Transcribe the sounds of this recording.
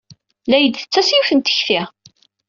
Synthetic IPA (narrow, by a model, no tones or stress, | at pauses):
læjəd̪θə̥t͡sːæsjuθənt̪ə̥çθi